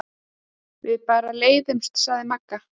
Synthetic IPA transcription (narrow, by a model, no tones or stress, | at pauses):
vɪðpaːɾaleːjðʏmst̪saːðɪmakːa